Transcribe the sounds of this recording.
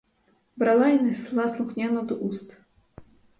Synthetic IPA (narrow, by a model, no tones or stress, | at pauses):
bɾalˠajnɛslˠɑslˠʊxnʲanɔd̪ɔʔust̪